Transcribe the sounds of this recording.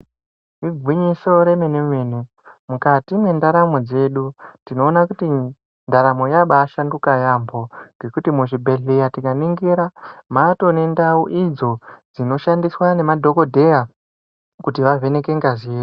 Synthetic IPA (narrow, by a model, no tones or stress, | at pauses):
iɡʱwiɲiso̞ɾe̞menemwenu | mukatimwe̞ndaɾamo̞d͡ze̞ɗutino̞ːnakuti | ndaɾamo̞jaɓaʃanɡukajambo̞ŋɡe̞kutimuʐibʱe̞ɮijatikaniŋɡiɾamato̞ne̞ndauʔid͡zo̞d͡zino̞ʃandiswane̞madʱo̞ko̞dʱe̞ja | kutiʋave̞ne̞ke̞ŋɡaziro